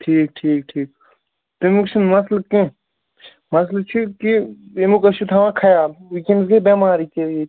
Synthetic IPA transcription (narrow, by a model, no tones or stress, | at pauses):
ʈʰiːk̚ʈʰiːkʈʰiːk̚ | t̪umukt͡ʃʰinmɐslɐb̚kẽ | mɐslɐb̚t͡ʃʰikiemukɐʃut̪ʰaʋãkʰɐjaːlikemsɡebemaːɾikeje